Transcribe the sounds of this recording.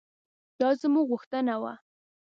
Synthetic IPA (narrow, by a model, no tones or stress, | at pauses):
d̪̥ɑzəmuɣʊxt̪ənawa̰